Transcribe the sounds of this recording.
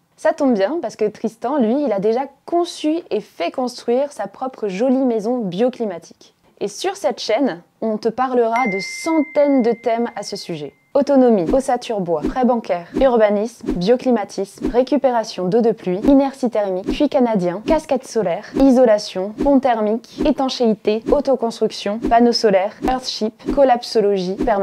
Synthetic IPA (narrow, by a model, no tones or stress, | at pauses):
sat̪ɔ̃bbjɛ̃paʁskət̪χist̪ɑ̃lɥiːlad̪eʒakɔ̃syefɛkɔ̃st̪χɥiʁsapχɔpχəʒɔlimezɔ̃bjɔklimat̪ʰi̥k | esyʁsɛt̪ʃɛn | ɔ̃t̪əpaʁləʁad̪əsɑ̃t̪ɛnd̪ət̪ɛmasəsyʒɛ | ɔt̪ɔnɔmiosat̪ʰyʁbwapχɛbɑ̃kʲɛːʁyʁbanismbjɔklimat̪ʰismʁekʲypeʁasjɔ̃d̪od̪əplɥiinɛʁsit̪ɛʁmikpɥikanad̪jɛ̃kaskat̪sɔlɛʁizɔlasjɔ̃pɔ̃t̪ɛʁmiket̪ɑ̃ʃeit̪eot̪okɔ̃st̪χyksjɔ̃panosɔlɛʁœʁt̪ʃipkɔlapsolɔʒipɛʁm